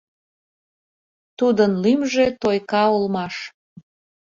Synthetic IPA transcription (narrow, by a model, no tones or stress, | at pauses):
t̪ud̪ənlimʒet̪ojkɑolmɑʃ